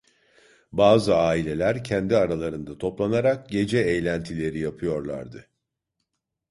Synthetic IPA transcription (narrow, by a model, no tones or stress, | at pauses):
baːzɯaːilʲe̞lʲæɾcʰɛnd̪iaɾalˠaɾɯnd̪at̪ʰo̞plˠanaɾak̚ɟe̞d͡ʒɛejlʲænt̪ʰilʲe̞ɾijapʰɯjo̞ɾlˠa̰ɾd̪ɯ